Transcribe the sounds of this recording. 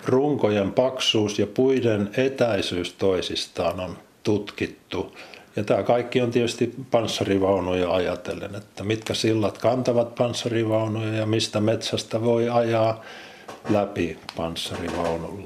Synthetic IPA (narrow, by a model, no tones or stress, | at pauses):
ruŋkojempɑksuːsjɑpuidenet̪æisyːst̪oisist̪ɑːnont̪ut̪kit̪ːujɑt̪æːkɑikːiont̪iet̪yst̪ipɑnsːɑriʋɑunujɑɑjɑt̪ḛlḛnet̪ːæmit̪kæsilːɑt̪kɑnt̪ɑʋɑt̪̚pɑnsːɑriʋɑunujɑjɑmist̪æmet̪sæst̪æʋoiɑjɑː | læpipɑnsːɑriʋɑunṵlː